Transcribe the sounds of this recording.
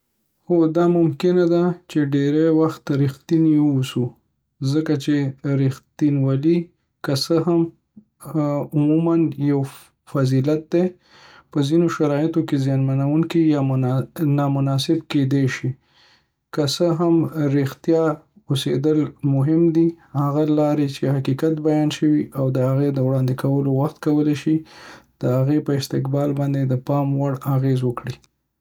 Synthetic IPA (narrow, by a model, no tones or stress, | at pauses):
xod̪ɑmʊmkɪnad̪at͡ʃeɖeɾajwaxt̪ɾɪxt̪inusu | zəkat͡ʃeɾɪxt̪inwali | kəsəɦam | ʊmumanjaw | fazilat̪̚d̪e | pəzinoʃaɾɑjɪt̪okezjɑnmanawuŋkijɑ | nɑmʊnɑsɪbked̪eʃi | kəsəɦamɾext̪jɑ | osed̪əlmʊɦɪmd̪i | haɣalɑɾet͡ʃehaqikat̪bajɑnʃəwiʔawd̪əhaɣed̪əwɽɑnd̪ɪkawəlowaxt̪kawəleʃid̪̥əhaɣepəɪst̪ɪqbɑlbɑnd̪ed̪əpɑmwaɽaɣezwəkɽi